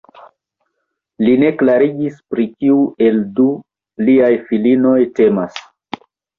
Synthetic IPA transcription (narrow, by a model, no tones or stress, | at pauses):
line̞klaɾiɡispɾikiuʔe̞ldu | liajfilino̞jte̞mas